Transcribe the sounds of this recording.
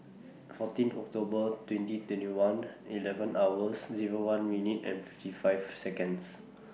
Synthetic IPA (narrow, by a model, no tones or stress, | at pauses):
ɛtfɔtĩntɔ̰k̚tobətwɛ̃ntitwɛ̃ntiwãnilɛvə̃nʔawəsziɹowãnmjinitɛ̰̃nfiftifajvsɛkə̃ns